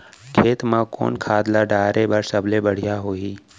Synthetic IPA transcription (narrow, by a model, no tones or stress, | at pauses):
kʰeːt̪mãːko̰ːnkʰaːd̪laɖaːɾebəɾsəbʱlebəɽ̤ɪjaɦoːiː